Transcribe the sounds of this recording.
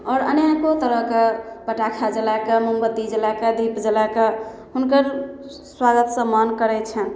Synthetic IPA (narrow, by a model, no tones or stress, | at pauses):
ɔːɾə̰njakot̪əɾəɦkepəʈakʰad͡ʒəlakemumbət̪ːid͡ʒəlakəd̪ʱipd͡ʒəlake | ɦunkəɾ | swaɡət̪sə̃mənkəɾɛt͡ʃʰən